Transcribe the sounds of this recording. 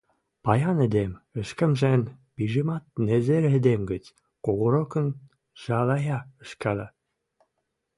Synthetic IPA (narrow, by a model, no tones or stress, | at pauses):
pɑjɑnĕd̪emə̆ʃkə̆mʒænpiʒimɑt̪̚nezeɾed̪emɡə̆t͡s | koɣŏɾokə̆n | ʒ̥ɑlɑjɑə̆ʃkælɑ